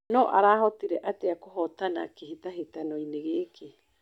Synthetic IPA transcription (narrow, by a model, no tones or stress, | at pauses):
noʔaɾaːɦot̪iɾeʔat̪eakoɦot̪ana̰kihit̪aɦit̪anoineɣeːkʰi